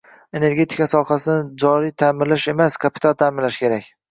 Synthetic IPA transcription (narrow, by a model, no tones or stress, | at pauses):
e̞ne̞ɾɡʲe̞t̪ʰɪ̥kasɒqasɪnɪd͡ʒɒɾijt̪ʰaːmɪɾlɪʃe̞maskʰapʰɪt̪alˠt̪ʰaːmɪɾlaʃkʲʰe̞ɾakʲ